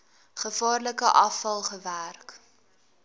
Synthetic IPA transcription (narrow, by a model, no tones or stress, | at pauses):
χəfɑːrləkəʔɐfɐlˠχəværk